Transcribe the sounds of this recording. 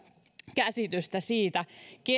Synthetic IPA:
kæsit̪yst̪æsiːt̪æke

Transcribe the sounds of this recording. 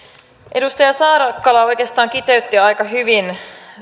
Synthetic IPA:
ʔedust̪ɑjɑsɑːɾɑkːɑlɑo̞jkeːst̪ɑːŋkit̪eyt̪ːiɑjkɑɦyʋin

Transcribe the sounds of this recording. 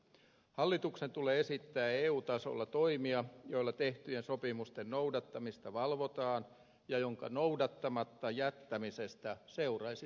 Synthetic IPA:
hɑlːit̪uksent̪uleːesit̪ːæːeːuːt̪ɑso̰lːɑt̪o̞imiɑjo̞ilːɑt̪eht̪yjensopimust̪ennoudɑt̪ːɑmist̪ɑʋɑlʋot̪ɑːn | jɑjoŋkɑ̰nowdɑt̪ːɑmɑt̪ːɑjæt̪ːæmisest̪æseurɑjsi

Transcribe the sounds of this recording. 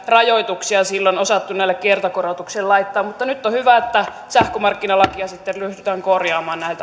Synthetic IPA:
rɑjoit̪uksiɑsilːonosɑt̪ːunæilːekkiert̪ɑkorot̪uksellɑit̪ːɑːmmut̪ːɑnyt̪ːohyʋæet̪ːæ | sæhkømɑrkːinɑlɑkiɑsit̪ːellyhdyt̪æːŋkorjɑːmɑːnnæilt̪æ

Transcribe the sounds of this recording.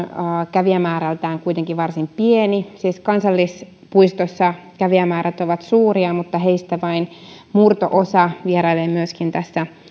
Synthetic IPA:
kæʋiæmæːɾælt̪æːŋkuit̪eŋkiʋʋɑrsimpienisiːskɑnsɑlːis | puist̪osːɑkæʋiæmæːɾæt̪oʋɑt̪suːriɑmut̪ːɑheist̪æʋɑin | murt̪o̰ʔosɑʋieɾɑilːeːmyøskint̪æsːæ

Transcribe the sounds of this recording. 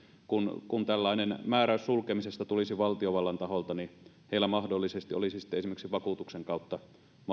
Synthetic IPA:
kunkunt̪ælːɑˑinenmæːɾæyssulkemisest̪æt̪ulisiʋɑlt̪ioʋɑlːɑnt̪ɑholt̪ɑni | heilːˑæmɑhdolːisest̪io̰lisisi̥t̪ːeesimeksiʋɑkut̪ukseŋkɑˑut̪ːɑ | m

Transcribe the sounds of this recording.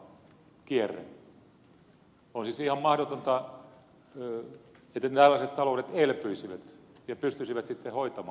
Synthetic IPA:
kierːḛ | onsisihɑmmɑhdot̪ont̪ɑ | et̪ːæt̪ælːæset̪t̪ɑlouɾet̪elpyisiʋæt̪ | jɑpyst̪ysiʋæt̪sit̪ːehoit̪ɑmɑː

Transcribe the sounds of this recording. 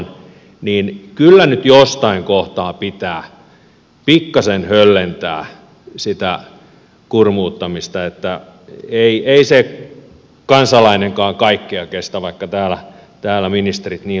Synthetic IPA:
n | niːnkylːænyt̪jost̪ɑiŋkoht̪ɑːpit̪æː | pikːɑsenhølːent̪æ̰ː | sit̪æ | kurmuːt̪ːɑmist̪ɑet̪ːæ | eieise | kɑnsɑlɑineŋkɑːŋkɑikːiɑkest̪æʋɑikːɑt̪æːlæ | t̪æːlæminist̪rit̪niː

